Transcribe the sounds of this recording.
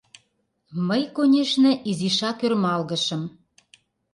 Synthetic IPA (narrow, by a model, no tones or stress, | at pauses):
məjkonʲeʃnĕʔiziʃɑkørmɑlɣɤ̆ʃɤ̆m